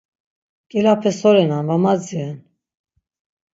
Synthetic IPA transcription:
kʼɛlapʰɛsɔɾɛnanvamad͡ziɛn

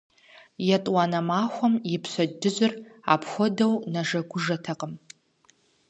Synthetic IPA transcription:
jatʼwanɐmaːxʷɔmjɪpʰɕʷɐdɨzʷɨra̰pʰxʷɔdɐwnaʒɐɡʷʊʐɐtʰɐqʼəm

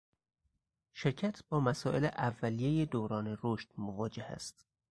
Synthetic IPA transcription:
ʃeɾcʰæt̪ʰbɒːmæsɒːʔe̞leʔævːælijejed̪oːɾɒːneɾoʃt̪movɒːd͡ʒehæ̰st̪

